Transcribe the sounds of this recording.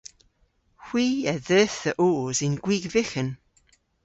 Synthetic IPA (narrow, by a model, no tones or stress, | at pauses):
hw̥iːəðɛːθəʔoːzɪnɡ̥wiːɡvɪxən